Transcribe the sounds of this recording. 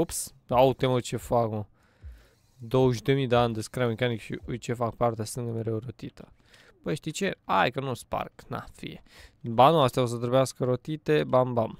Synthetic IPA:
ops | aut̪emujt͡ʃefakmə | d̪owəʒd̪emid̪eanʲd̪əskɾamekanikʃḭʔujt͡ʃefakpart̪east̪ɨŋɡəmeɾewɾot̪it̪ʰə | pəjʃt̪it͡ʃea̰jkənuspa̰rkna̰fḭjḛbanuast̪jaos̬əd̪əɾbeaskəɾot̪it̪ebambam

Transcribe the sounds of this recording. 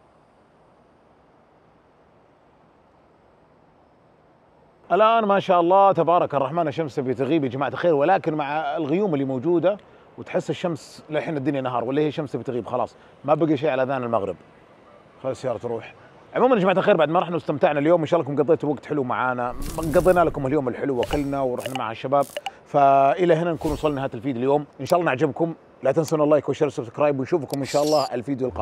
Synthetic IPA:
ʔalʔaːnmaʃaːʔɑlˤːɑːt̪abɑːɾˤɑkɑrˤːɑħmaːnaʃːamsabit̪aɣiːbid͡ʒmaʕt̪xeːɾwɪlaːkɪnmaʕalɣʊjuːmɪlːiːmoːd͡ʒuːd̪a | wɪt̪ħɪsːɪʃːamslɪħiːnad̪ːʊnjanːaɦɑ̰ːɾˤwalːahiːʃːamsabit̪ɣiːbxɑlɑ̰ːsˤ | mabaɡiʃeːʕalʔaðaːnɪlmaɣɾɪ̰b | xalsajɑːɾˤɑt̪ɾˤuːħ | ʕʊmuːmanɪd͡ʒmaʕt̪axeːɾbaʕd̪maɾˤɑħnawɪst̪amt̪aʕnaljoːmʔɪnʃaːʔlːɑkʊmɡɑðˤːeːt̪ʊwaɡt̪ħɪluma̰ʕaːnaɡɑðˤenalakʊmhaljoːmɪlħɪluwakɪlːnawɾˤɑ̰ħnamaʕhaʃːabaːbfaʔɪlahɪnankuːnwsˤɑlːniɦaːt̪alfiːd̪ɪljoːmʔɪnʃaːʔlːɑːnɪʕd͡ʒɪbkʊm | lat̪ansanɑlːˤaːjkwaʃːɪɾsʊbskɾaːjbwɪnʃuːfkʊmʔɪnʃaːʔɑlˤːɑːʔalfiːd̪jʊlqɑ̰

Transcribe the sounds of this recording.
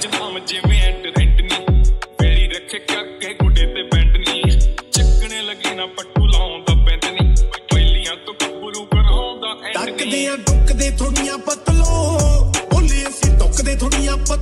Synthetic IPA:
d͡ʒəãːməd͡ʒeːʋeːɛ̃ʈɾɛ̃ɳɖniːpɛːɾiːɾəkʰːeːkəɾkeːɡʊɖeːt̪eːpɛ̃ːɳɖnĩːt͡ʃəkːɽeːləɡiːnãːpəʈːuːlaːõnd̪aːpɛːt̪nĩːɛːliːãːt̪õkbʊɾũːbəɽãːnd̪aːʈəkd̪eːãːɖʊkd̪eːt̪ʰoːɽɪjãːpət̪loː | oːlẽːsiɖ̪ʊkd̪eːt̪ʰoːɽijãːpə

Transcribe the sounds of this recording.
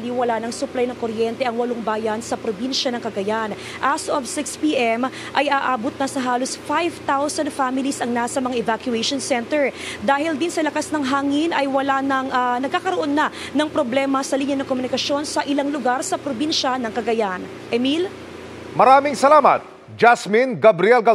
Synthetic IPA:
liwɐlanɐŋsʊplajnɐŋkoɾjɛnt̪ɛʔɐŋwɐloŋbaːjɐnsɐpɾobinʃɐnɐŋkɐɡɐjan | ʔasʔovsɪkspiʔɛm | ʔɐjʔaːʔaːbot̪̚nɐsɐɦaːlosfajvt̪awsɐnd̪famɪlisɐŋnasɐmɐŋaʔɛvakjʊɛʃonsɛnt̪ɛɹd̪aːhɪld̪insɐlɐkasnɐŋɦaːŋinʔɐjwɐlanɐŋʔɐnɐɡ̚kːaːkɐɾoʔo̞nːɐ | nɐŋpɾoblɛmɐsɐliːɲɐnɐŋkomʊnɪkɐsjo̞nsɐʔɪlaŋlʊɡaɾsɐpɾobinʃɐnɐŋkɐɡɐjan | ʔɛmil | mɐɾaːmɪŋsɐlaːmɐ̰t̪̚ | d͡ʒasminɡɐbɾiɛlɡɐ

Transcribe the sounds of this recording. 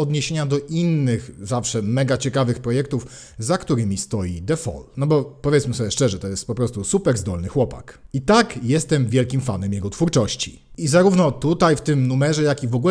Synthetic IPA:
ɔd̪ɲeɕeɲad̪ɔʔinːɘxzafʂɛmɛɡat͡ɕɛkavɘxpɾɔjɛk̚t̪uf | zakt̪uɾɘmʲist̪ɔjid̪ɛfɔ̰lnɔbɔpɔvjɛt̪smɘsɔbʲjɛʂt͡ʂɛʐɛt̪ɔjɛst̪̚pɔpɾɔst̪usupɛɾzd̪ɔlnɘxwɔpa̰kit̪akjɛst̪ɛmvʲjɛlkʲimfa̰nɛmjɛɡɔt̪fuɾt͡ʂɔɕt͡ɕḭ | izaɾuvnɔt̪ut̪ajft̪ɘmnumɛʐɛjakʲivɔɡul

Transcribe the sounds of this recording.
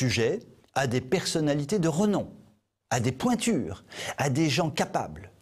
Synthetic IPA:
yʒɛ | ad̪epɛʁsɔnalit̪ed̪əʁənɔ̃ | ad̪epwɛ̃t̪yːʁad̪eʒɑ̃kapa̰bl

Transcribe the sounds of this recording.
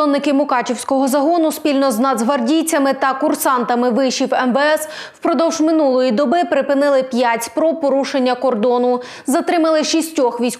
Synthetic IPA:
ɔnːɪkɪmʊkɑt͡ʃiwsʲkɔɦɔzɐɦɔnʊspʲilʲnɔznɐd̪zɦʋɐrdʲiwt͡sʲːɐmɪt̪ɐkʊrsɑnt̪ɐmɪʋɪʃiwɛmʋɛɛs | wpɾɔd̪ɔwʒmɪnulˠɔjid̪ɔbɪpɾɪpɪnɪlˠɪpʲjatʲpɾɔpɔɾuʃenʲːɐkɔrd̪ɔnʊ | zɐt̪ɾɪmɐlˠɪʃisʲtʲɔxʋʲijsʲ

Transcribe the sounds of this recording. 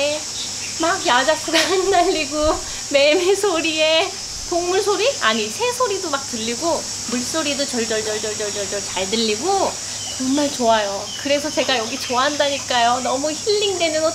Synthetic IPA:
maɡjad͡ʑakʰɯɡaandaʎːiɡo | me̞mesʰoɾie̞ | toŋmuɭsʰoɾiaɲisʰe̞sʰoɾidomak̚tɯʎːiɡo | muɭs͈oɾidot͡ɕʌɭd͡ʑʌɭd͡ʑʌɭd͡ʑʌɭd͡ʑʌɭd͡ʑʌɭd͡ʑʌɭt͡ɕaɭdɯʎːiɡo | t͡ɕʌŋmaɭt͡ɕoajo | kɯɾe̞sʰʌt͡ɕe̞ɡajʌɡit͡ɕoaɦandaɲik͈ajonʌmuçiʎːiŋde̞nɯno

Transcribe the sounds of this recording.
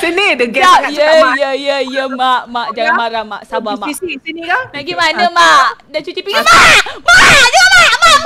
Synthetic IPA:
sənidəɡɛajəjəjəjəmaʔmaʔd͡ʒaŋanmaɾama̰ʔsabamaiisinĩkanaɡimanəmaʔdat͡ʃut̪ipimamad͡ʒəmama

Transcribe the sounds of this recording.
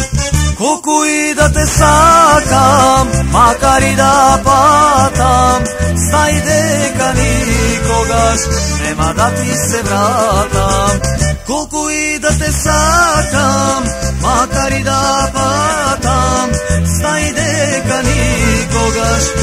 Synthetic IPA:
kokuid̪ɐt̪esakammakaɾid̪apat̪amst̪aĩd̪ekɐnikoɡɐʃnemad̪at̪isebɾat̪amkokuid̪ɐt̪esakammakaɾid̪apat̪amst̪aĩd̪ekɐnikoɡɐʃ

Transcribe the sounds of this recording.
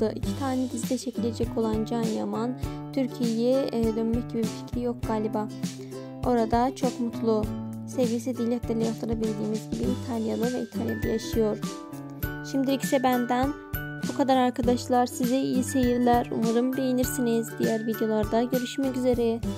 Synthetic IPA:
ɯʔicʰi̥t̪ʰaːnɛb̪izd̪ɛʃʰecʰilʲe̞d͡ʒɛcʰo̞lˠand͡ʒanja̰mant̪ʰyɾcʰijejɛd̪ø̞nmɛc̚ɟibibifi̥cɾijo̞k̚ɡ̥aːlʲiba | o̞̰ɾad̪at͡ʃʰo̞kmut̪ʰlˠu | sevvisɛd̪ilʲɛclʲɛlʲɛjahlˠaɾabiɾd̪iːmizɟibiːt̪ʰalʲjalˠɯvɛit̪ʰalʲjalˠɯjaʃɯjo̞ɾ̥ | ʃimd̪iɾicʰi̥sɛbænd̪æn | bukʰad̪aɾaɾkʰad̪aʃlˠaɾsiziijise̞jiɾlʲæɾṵmuɾɯmb̪ejiniɾsinizd̪ijæɾvid̪jo̞lˠaɾd̪aɟø̞ɾyʃmɛcyze̞ɾɛ

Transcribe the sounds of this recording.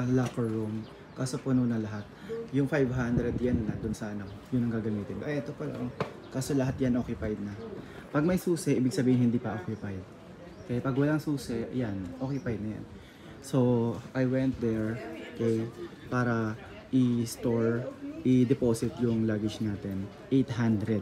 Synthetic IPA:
lakɛɹum | kaːso̞pʊnonɐlɐɦat̪̚jʊŋfajvɦand̪ɾɛd̪jannɐd̪ʊnsaanɐkojʊnːɐŋɡaːɡɐmiːt̪ɪnkʔjʔɛt̪opɐla̰ŋ | kaːso̞lɐɦat̪̚janʔoːkjʊpajd̪̚nɐ | pɐɡ̚mɐjsuːsɛʔiːbɪɡsɐbiːhɪnhɪnd̪iːpɐʔokjʊpajd̪̚ | kɐɛpɐɡwɐlaŋsuːsɛjanʔokjʊpajd̪̚nɐja̰n | so̞ʔajwɛnt̪̚d̪ɛɹokɛj | paːɾɐ | ʔɪst̪oɹʔɪd̪ɛpo̞ːsɪt̪jʊŋlaːɡɪd͡ʒnaːt̪ɛn | ʔejt̪ɦand̪ɾɛd̪̚

